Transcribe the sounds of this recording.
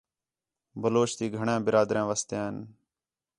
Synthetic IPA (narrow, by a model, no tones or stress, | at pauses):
bəloːʃt̪iːɡʱəɳẽːbɪɾaːd̪ɾẽːʋəst̪ãːn